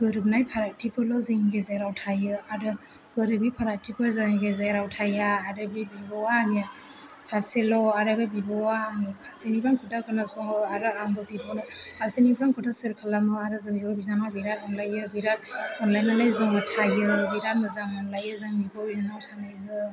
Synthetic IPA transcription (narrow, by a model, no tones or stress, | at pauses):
ɡ̥ɯɾɯb̚najpʰaɾak̚tipʰɯlɔziŋɡezaɾawtʰajɯaɾɯ | ɡ̥ɯɾɯbipʰaɾatipʰɯɾzaŋɡezajɾawtʰajaːɾɯbibibɔani | saselɔaɾababibɔwanipʰasinibɾaŋkʰutakʰɯnasɔŋɯaɾɯaŋbɯbibɔnɯasinibɾaŋkʰɯtasɯɾkʰalamɯaɾɯzɯbibɔbizanabiɾat̚ɔnlajɯbiɾat̚ɔnlajnalajziŋɯtʰajɯbiɾat̚mɯzaŋɔnlajɯzaŋbibɔbinanawsanajzɯ